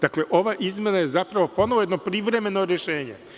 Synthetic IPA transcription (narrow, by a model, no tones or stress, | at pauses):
d̪akle̞ʔo̞ʋaʔizme̞naje̞zapɾaʋo̞po̞no̞ʋjed̪no̞pɾiʋɾe̞me̞no̞ɾjeʃe̞ːɲe̞̰